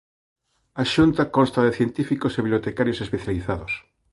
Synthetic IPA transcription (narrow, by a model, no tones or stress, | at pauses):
aʃunt̪akɔnst̪ɐðeθjent̪ifikoseβiβljot̪ekaɾjosespeθjaliθaðos